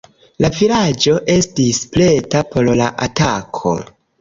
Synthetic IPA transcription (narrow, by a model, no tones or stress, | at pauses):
lafiɾad͡ʒo̞ʔe̞stisple̞tapo̞ɾlaʔatakʰo̞̰